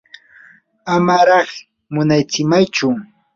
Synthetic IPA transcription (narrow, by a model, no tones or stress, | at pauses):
amaɾɑχ | mʊnajt͡sɪmajt͡ʃʊ